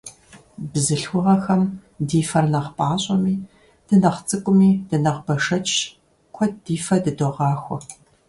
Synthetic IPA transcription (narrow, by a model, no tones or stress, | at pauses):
bzɨɬxʷʊʁɐxɐmdiːfɐrnɐχpʼaːɕʼɐmiː | d̥ɨnɐχt͡sʼɨkʷʼʊmiːd̥ɨnɐʁbɐʂɐt͡ʃʼ | kʷʰɔdiːfɐdɨdoʁɑːxʷɔ̰